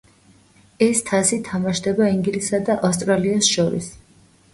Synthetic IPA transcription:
ɛst̪ʰasit̪ʰamaʃd̪ɛbaiŋɡlisad̪aʔast̪ʼɾaliasʃɔɾḭs

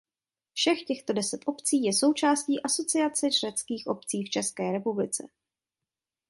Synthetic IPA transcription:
fʃɛxcɛxt̪o̞dɛsɛt̪ʔo̞pt͡siːjɛso̞wt͡ʃaːsciːʔaso̞t͡sɪat͡sɛt͡ʃrɛt͡skiːxʔo̞p̚t͡siːft͡ʃɛskɛːɾɛpublɪt͡sɛ̰

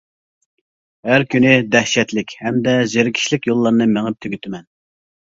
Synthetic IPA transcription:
hæɾkʲynɪd̪ɛhʃɛt̪lɪkʲhɛmd̪ɛzeɾɪkʲʰi̥ʃlɪkʲjolˠːɑɾnɨmeŋɪp̚t̪ʰøɡʲyt̪ʰɪmɛn

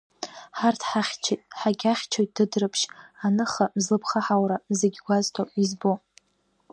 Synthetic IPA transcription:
ħartʰħaχʲt͡ʃʰetʼħaɡʲaχʲt͡ʃʰojt̚ʼd̥ɨdrɨpʰʃanɨχamzlɨpʰχaħawɾamzeɡʲɡʷaztʰoizbo

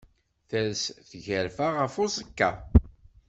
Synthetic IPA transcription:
θəlsθʝəɾfaʁəfosəkːa

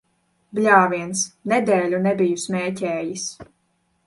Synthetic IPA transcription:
blʲaːviɛnsnɛd̪ɛːlʲunɛbijusmʲɛːcʲɛːjis

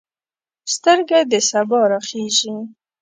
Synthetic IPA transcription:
st̪əɾɡad̪əsabɑɾaχeʒi

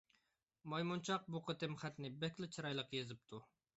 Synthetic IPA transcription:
mɑjmunt͡ʃʰɑq̚buqət̪ɪmχɛt̪nɪbɛkʲlɪt͡ʃʰɨɾɑjlˠəqjezɪp̚t̪ʰu

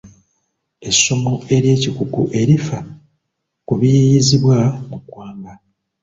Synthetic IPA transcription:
e̞so̞mo̞e̞ɾje̞ːcikukṵʔe̞ɾifa | kuβijijiziβwamukːwaːŋɡa

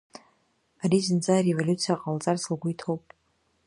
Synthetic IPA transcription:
aɾizɨnd͡zaɾevolʲut͡sʰijaqʼalt͡sʼarsɨlɡʷʊjtʰo̞wpʼ

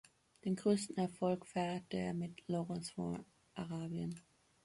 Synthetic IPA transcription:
d̥eːnɡʁøːstn̩ɛɐfɔlkfɛɐtəḛːɐmɪtloʁɔnsfɔ̰ | ʔaʁaːbjən

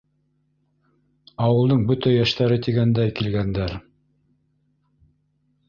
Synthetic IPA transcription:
ɑwɤ̆lˠd̪ɤɴbɵt̪æjæʃt̪æɾɘt̪iɡænd̪æjkilɡænd̪æɾ

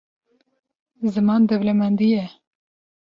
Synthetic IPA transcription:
zɨmɑːnd̪ɛvlɛmɛnd̪ijɛ

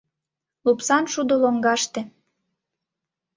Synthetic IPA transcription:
lupsɑnʃud̪oloŋɡɑʃt̪ĕ

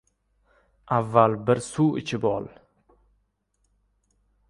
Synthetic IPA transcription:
ʔavːalbɪɾsuːɪ̰t͡ʃʰɪbɒ̰l

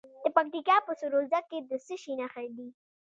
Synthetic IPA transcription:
d̪̥əpak̚t̪ikɑpəsʊɾolzakːed̪əsəʃinaxajd̪i

